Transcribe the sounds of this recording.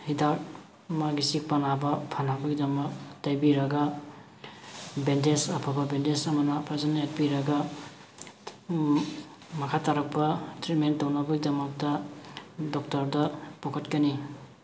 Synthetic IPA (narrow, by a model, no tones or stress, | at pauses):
hidaɾ | maɡisik̚panabɐpʰanabɐɡidɐmɐk̚tajbiɾɐɡa | bendesɐpʰababendesɐmɐnɐpʰazanet̚biɾɐɡa | mɐkʰataɾɐpːɐtɾitmentɔwnabɐɡidɐmɐk̚tɐ | dɔk̚tɐɾdɐpɔkʰɐtkɐni